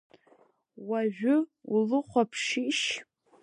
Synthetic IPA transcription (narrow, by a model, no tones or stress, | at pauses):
waʒᶣʊulɨχʷapʰʂiʃ